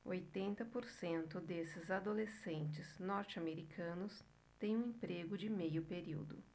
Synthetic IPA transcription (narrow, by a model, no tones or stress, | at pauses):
ojt̪ẽnt̪ɐpoɾsẽnt̪ʊd̪esɪzad̪olesẽnt͡ʃɪznɔɾt͡ʃɪameɾikʰɐ̃nʊs | t̪ẽj̃ũẽpɾeɡʊd͡ʒɪmejʊpeɾiwd̪ʊ̰